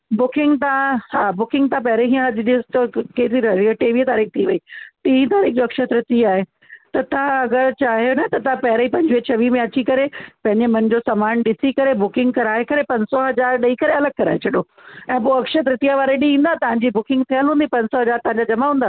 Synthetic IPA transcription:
bʊkɪ̃ŋɡt̪ãhaːbʊkɪ̃ŋɡt̪ãpɐɦɪɾəiɦiə̃ɐd͡ʑɪɗist̪ɐkeːt̪iɾɐɾiəʈeːʋit̪aːɾiːk̚t̪ʰiʋɐiːʈĩːĩt̪aːɾiːk̚ʰd͡ʑoɐkʃət̪ɾɪt̪iaːɦe | t̪ɐt̪ãɐɡəɾt͡ɕaːɦjonɐt̪ɐt̪ɐãpɐɦɪɾəipɐ̃ɲd͡ʑʋiət͡ɕʰɐʋimẽɐt͡ɕikɐɾepɐ̃ɦɪ̃ɲd͡ʑemɐnɪd͡ʑosaːmaːnɗɪsikɐɾebʊkɪ̃ŋɡ̚kɐɾaːɦekɐɾepɐ̃ɲsɔɦɐd͡ʑaːɾɗɐikɐɾeɐləɡ̚kɐɾa̰ːɦet͡ɕʰɐɗoː | ɛ̃ːp̬oːɐkʃət̪ɾɪt̪ijaʋaːɾeɗĩĩːnd̪at̪ɐʋ̤ãɲd͡ʑibʊkɪ̃ŋɡ̚t̪ʰijəlɦũːnd̪ipɐ̃ɲsɔɦɐd͡ʑaːɾt̪ɐ̃ɦãɲd͡ʑad͡ʑɐmaɦũːn̆d̪aː

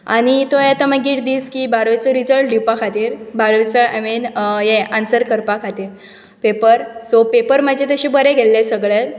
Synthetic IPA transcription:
a̰ɽ̃it̪ojet̪əməɡiːʈd̪iːskibʱaɾʋet͡sɔɾid͡zəɭʈɖipakʰat̪iːɾbʱaɾt͡saʔaminjeansəɾkəɾpakʰat̪iːɾ | pepəɾsopepəɾməd͡ʑʱet̪əɕibəɾeɡʱelːesəɡɭet̪

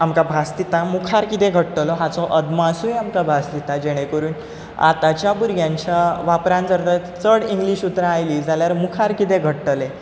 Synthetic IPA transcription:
amkabʱast̪it̪amukʰaɾkit̪ẽɡʱəʈʈlɔɦat͡sɔʔəd̪masujamkabʱast̪it̪ad͡ʑeɽ̃ekəɾuːn | a̰t̪at͡ɕjabuɾɡjãɲt͡ɕaʋapɾãnd͡zəɾd̪ə | t͡səɽiŋɡliːɕut̪ɾãːjliːd͡zaljaɾmukʰaɾkit̪eɡʱəʈʈəle

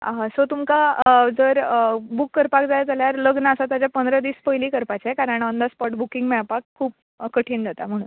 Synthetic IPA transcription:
aɦasot̪umkad͡zəɾbukːəɾpakd͡zajd͡zaljaɾləɡnaəsat̪jad͡ʑjapənd̪ɾəd̪iːspəjliːkəɾpat͡ɕakaɾəɳənd̪aspɔʈbukĩŋɡmɛapakʰːuːp̚ | kəʈʰiːnd͡zat̪a̰m̤əɽ̃ṵːn

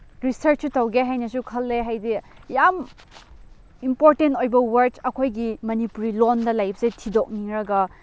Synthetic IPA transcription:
ɾisɐɾt͡ʃutɐwɡeɦajnɐsukʰɐlːeɦajdijam | impoɾtentojbɐwɐɾt͡ʃɐkʰojɡimɐnipuɾilondɐlajp̚ʰsetʰidok̚niŋɾɐɡɐ

